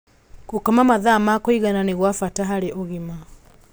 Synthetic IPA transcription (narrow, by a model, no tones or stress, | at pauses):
ɣokamamaðamakoiɣananeɣwafataɦaɾeʔoɣima